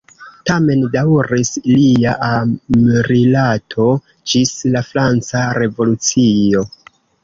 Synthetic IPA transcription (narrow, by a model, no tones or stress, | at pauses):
tame̞ndawɾisliaʔamɾilatʰo̞ | d͡ʒislafɾant͡saɾe̞vo̞lut͡sio̞